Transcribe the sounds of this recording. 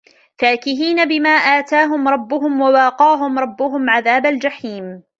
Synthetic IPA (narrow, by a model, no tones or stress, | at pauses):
faːkɪɦiːnabɪmaːʔaːt̪aːɦʊmɾˤɑbːʊɦʊmwawɑːqɑːɦʊmɾˤɑbːʊɦʊmʕaðaːbald͡ʒaħiːm